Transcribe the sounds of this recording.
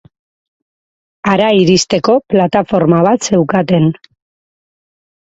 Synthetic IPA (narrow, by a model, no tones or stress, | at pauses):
aɾaiɾist̪e̞ko̞plat̪afo̞ɾmaβ̞at̪se̞wkat̪e̞n